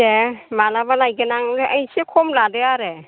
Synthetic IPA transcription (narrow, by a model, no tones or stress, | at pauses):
emalabalajɡenaŋeʔajsekʰɔmladeaɾe